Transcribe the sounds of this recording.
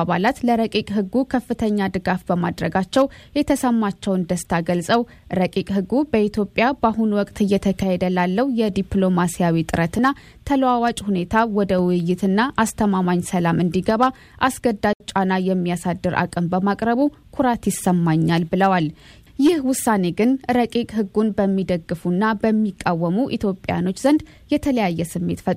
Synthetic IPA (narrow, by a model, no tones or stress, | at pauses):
βalat̪ləɾəkʼikʼɦɨɡːukʰəfːɨt̪ʰəɲːad̪ɨɡafbəma̰d̪ɾəɡat͡ʃːɛwjɛt̪ʰəsəmːat͡ʃːɛwɨnd̪əst̪ʰaɡəlsʼəw | ɾəkʼikʼɦɨɡːubəʔit̪ʰjo̞pʼːjabaɦunwɔkʼt̪ɨjːɛt̪ʰəkʰahed̪əlalːəhjɛd̪iplo̞masijawit̪ʼɨɾət̪ɨnːa | t̪ʰələwawat͡ʃʼhune̞t̪ʰawɔd̪əwɨjːɪt̪ɨnːaʔast̪ʰəmamaɲsəlamɨnd̪iɡəβa | ʔasɡəd̪ːat͡ʃʼanajɛmːijasad̪ːɨɾa̰kʼɨmbəmakʼɾəβu | kʰuɾat̪jɪsəmːaɲːalbɨləwal | jɪhwʊsːane̞ɡɨnɾəkʼikʼɦɨɡːunbəmːid̪əɡːɨfunːabəmːikʼːawːəmuʔit̪ʰjo̞pʼːja̰no̞t͡ʃːzənd̪ | jɛt̪ʰələjajːɛsɨmːe̞̰t̪fət̪ʼ